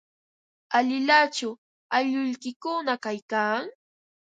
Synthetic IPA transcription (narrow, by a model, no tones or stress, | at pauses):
aʎɪlat͡ʃʊ | aʎʊʎkɪkʊnakajkaːŋ